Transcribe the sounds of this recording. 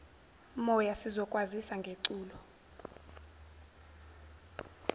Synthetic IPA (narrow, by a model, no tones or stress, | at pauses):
mɔjasizɔkʼwazisaŋɡʱeǀuːlɔ